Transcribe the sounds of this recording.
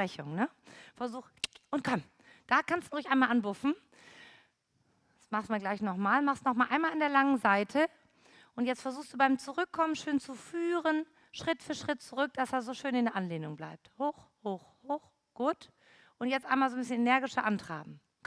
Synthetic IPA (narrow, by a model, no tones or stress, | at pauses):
ɛçʊŋnəfɛɐzuːxʔʊnt̚kʰɔm | d̥aːkʰanstudɪçʔaɪnmalʔanbʊfn̩ | smaχstmiɐɡlaɪçnɔχmaːlmaχstnɔχmaːlʔaɪnmalɪndeːɐlaŋənzaɪtʰə | ʔʊntjɛt͡stfɛɐzuːxstd̥uːbaɪmt͡suʁʏkʰːɔmənʃøːnt͡sufyːʁən | ʃʁ̥ɪtfyːɐʃʁ̥ɪt̚t͡suʁʏk̚d̥asdaːɐzoːʃøːnɪndɛɐʔanleːnʊŋbla̰ɪp̚thoːxhoːxhoːx | ɡ̥uːt | ʔʊntjɛt͡stʔaɪnmalzoːmbɪsçənenɛɐɡɪʃɐʔantʁ̥a̰ɪbm̩